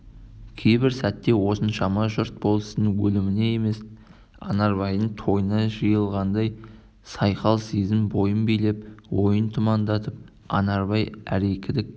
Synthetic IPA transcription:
kʲʰejbɪɾsæt̪ːe̞wo̞sənʃɑmɑʒʊɾt̪̚bo̞lˠəsənwɵlɪmɪne̞je̞me̞s | ɑ̰nɑɾβɑjənt̪ʰo̞jənɑʒəjəlˠʁɑnd̪ɑj | sɑjqɑlˠsezɪmbo̞jənbejle̞p̚wo̞jənt̪ʰʊmɑnd̪ɑt̪əp̚ | ɑ̰nɑɾbɑjæ̰ɾekʲʰɪd̪ɪk̚

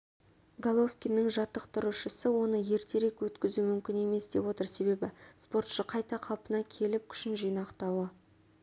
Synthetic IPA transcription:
ɡalˠo̞fkʲinːɪŋʒɑt̪ːəqt̪ʰʊɾuʃəsəwo̞nəje̞ɾt̪e̞ɾe̞kwɵt̪kʲɪzumʏmkʲɪne̞me̞sd̪̥e̞pwo̞t̪əɾse̞βe̞bɪspo̞ɾt̪ʃəqʰɑjt̪ɑqʰɑlˠpənɑkʲʰe̞lɪp̚kʲʰʏ̥ʃɪnʒijnɑqt̪ɑwə

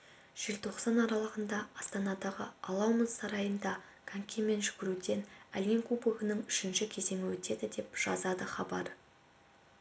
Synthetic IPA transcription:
ʒ̥elt̪ʰo̞qsɑnɑɾɑlˠəʁənd̪ɑɑst̪ɑnɑd̪ɑʁəɑlˠɑwməzsɑɾɑjənd̪ɑ | kʰaŋkʲeme̞nʒʏɡʲɪɾud̪e̞næljeŋkʰubəɡənəɴʏʃɪnʃɪkʲʰe̞ze̞ŋʲɪwɵt̪e̞d̪ɪd̪e̞pʒ̥ɑzɑd̪əχɑbɑ̰ɾ

